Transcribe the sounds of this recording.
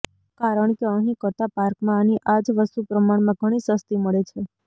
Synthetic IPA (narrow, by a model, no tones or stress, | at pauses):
kaɾəɳkeə̃ɦĩkəɾt̪apaɾkmãːnĩʔad͡ʒʋəst̪upɾəmaɳmãɡʱəɽ̃isəst̪iməɭet͡ʃʰe